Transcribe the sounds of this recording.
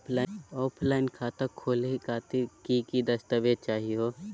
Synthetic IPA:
pʰlaɔːpʰlaːɪnkʰaːt̪əkʰoːlɦikaːt̪ikikid̪ɐst̪əʋeːd̪̚t͡ʃaːɦiɦoː

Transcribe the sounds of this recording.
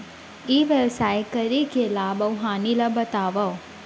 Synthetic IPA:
iːʋeʋsaːjkəɾikelaːbɐwɦaːnilɐbɐt̪aːʋɐ

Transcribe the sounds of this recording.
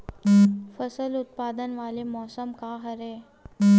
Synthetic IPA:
fəsəlut̪̚pad̪ənʋalemɔsəmkaɦəɾe

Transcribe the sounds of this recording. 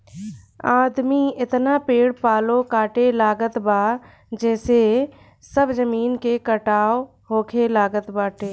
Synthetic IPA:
aːd̪miɪt̪napeːɽpaːlokaːʈelaːɡət̪baː | d͡ʒɛːse | səbd͡ʒəmiːnkekəʈaːo | ɦoːkʰelaːɡət̪baːʈeː

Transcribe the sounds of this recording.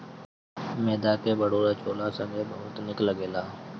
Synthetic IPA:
meːd̪aːkeːbəɽoːɾaːt͡ʃoːlaːsə̃ŋɡeːbəɦʊt̪nɪkləɡeːlaː

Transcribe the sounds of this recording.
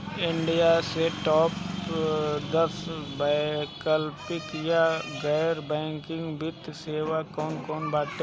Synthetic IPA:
ɪɳɖijaseʈɔːp | d̪əɾsbakəlpɪkjaɡɛːɾbɛ̃ːŋkɪ̃ŋɡbɪt̪seːʋakɔːnkɔːnbaːt̪e

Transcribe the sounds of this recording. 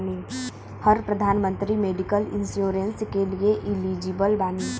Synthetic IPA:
ni | həɾpɾəd̪ʱaːnmə̃nt̪ɾimeːɖikəlɪ̰̃nsjoːɾẽnskelieʔɪliːd͡ʒibəlbaːniː

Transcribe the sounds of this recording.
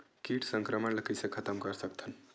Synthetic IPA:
kiːʈsəŋkɾəməɳlɐkəsekʰət̪əmkəɾsəkt̪ʰən

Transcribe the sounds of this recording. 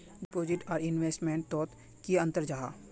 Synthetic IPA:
ɖɪpoːd͡ʒɪʈɔːɾɪnʋeːsʈmẽɳʈ̚t̪ɔːt̪ | kiɐ̃nt̪əɾd͡ʒaɦa̰ː

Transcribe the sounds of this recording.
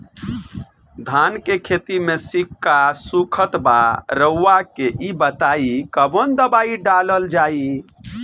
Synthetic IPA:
d̪ʱankekʰet̪imesikːasukʰət̪ba̰ɾəwːakeʔibət̪aikəbond̪əbaiɖaləld͡ʒai

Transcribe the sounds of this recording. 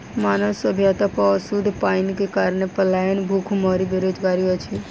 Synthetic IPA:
maːnəʋsəbʱjat̪apəːsud̪ʱpaːinkekaːɾɳepəlaːjənbʱukʰumɔːɾibeɾoːd͡ʒɡaːɾiɔt͡ʃʰi

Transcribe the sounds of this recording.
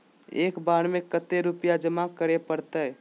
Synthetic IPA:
ekbaɽmekət̪eɾupjad͡ʒəmakəɾepəɾt̪əɦ

